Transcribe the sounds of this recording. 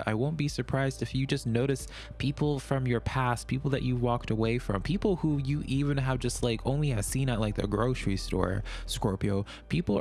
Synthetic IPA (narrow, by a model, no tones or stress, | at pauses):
a̰ɪwõʊ̃nb̥isə˞pʰɹ̥aɪzdɨfjɨd͡ʒʌsnoʊɾɨs | pʰipʰl̩ˠfɹʌ̃mjə˞pʰæst̚pʰipl̩ˠðɨ̰t͡ʃɨwɔk̚təweɪfɹʌ̰̃mpʰipl̩ˠhujɨʔivɨ̃nəvd͡ʒʌstˡlaɪkʰõ̰ʊ̃nliɨ̥sĩnɨt̚laɪk̚ðɨ̰ɡɹoʊsɹistɔ̰ɹ̰ | skɔɹpioʊ | pʰipl̩ˠ